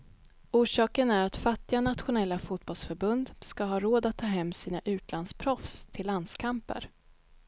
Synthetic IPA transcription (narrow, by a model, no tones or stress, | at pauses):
uːʂɑːkənæɾat̪fat̪ːɪanat̪ɧʊnɛlːafuːt̪̚bɔlsfœɾbɵnd̪skaɦɑːɾoːd̪at̪ʰːɑːɦɛmːsiːnaʔʉ̟ːt̪lanspʰɾɔfst̪ʰɪlːand̪skʰampə̰ɾ